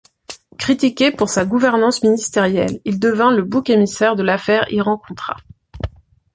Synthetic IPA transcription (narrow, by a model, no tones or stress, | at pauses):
kχit̪ikʲepuʁsaɡuvɛʁnɑ̃sminist̪eʁjɛlild̪əvɛ̃ləbokemisɛʁd̪əlafɛʁḭʁɑ̃kɔ̃t̪χa̰